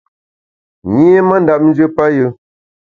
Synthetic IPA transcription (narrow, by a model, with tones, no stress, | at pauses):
ɲi˦e˦mə˦n˦da˨p̚n̩˦d͡ʒə˦pa˦jɨ˦